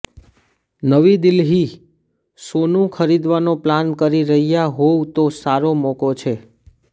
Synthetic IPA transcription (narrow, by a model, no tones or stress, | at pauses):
nəʋid̪ɪlɦi | sonũkʰəɾid̪ʋanoplankəɾiɾəɦijaɦowt̪osaɾomokot͡ʃʰe